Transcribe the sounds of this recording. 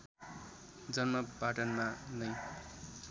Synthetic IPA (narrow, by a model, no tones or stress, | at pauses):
d͡zʌnmʌpaʈʌnmanʌj